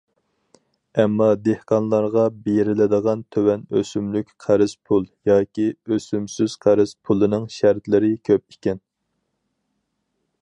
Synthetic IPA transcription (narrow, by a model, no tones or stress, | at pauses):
ɛmːɑd̪ehqɑnlˠɑɾʁɑbejɾɪlɪd̪əʁɑnt̪ʰøwɛnøsymlykʲqʰæɾɪz̥pʰulˠjɑːkʲiøsymsyz̥qʰæɾɪz̥pʰulˠɨnɨŋʃæɾt̪lɪɾɪkʲʰøp̚ikʲɛn